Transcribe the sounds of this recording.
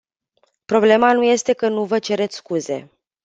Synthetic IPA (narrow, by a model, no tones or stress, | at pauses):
pɾo̞ble̞manuje̞st̪e̞kənuvət͡ʃe̞ɾe̞t̪sʲskuze̞̰